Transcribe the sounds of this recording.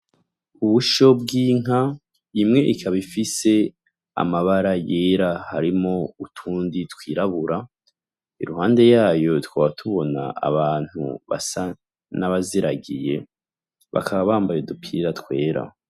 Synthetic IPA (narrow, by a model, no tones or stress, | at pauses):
uβuʃo̞b̚ɡiːŋ̥a | imŋe̞ʔikʰaβifise̞ | a̰maβaɾajeːɾahaɾimo̞utʰuːnditwiːɾaβuɾa | iɾuhaːnde̞jaːjo̞twaːβatʰuβo̞na̰a̰βaːn̥hṵβa̰sa | naβaziɾaɡije̞ | βa̰kʰaβaβaːmbaje̞dupʰiːɾatkwe̞ːɾa̰